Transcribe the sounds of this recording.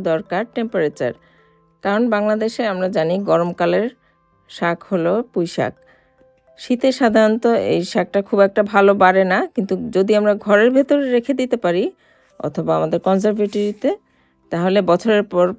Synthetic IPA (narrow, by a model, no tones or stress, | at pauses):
d̪ɔɾkaɾʈempoɾet͡ɕa̰ɾ | kaɾonbaŋlad̪eʃeamɾad͡ʑaniɡɔɾomkaleɾ | ʃakholopujʃa̰k̚ | ʃit̪eʃad̪ʱaɾont̪oḛjʃak̚ʈakʰubɛk̚ʈabʱalobaɾenakint̪ud͡ʑod̪iamɾaɡʱɔɾeɾbʱet̪oɾeɾekʰed̪it̪epaɾi | ɔ̰t̪ʰobaamad̪eɾkɔnsaɾveʈoɾit̪e | t̪aɦolebɔt͡ɕʰoɾeɾpɔɾ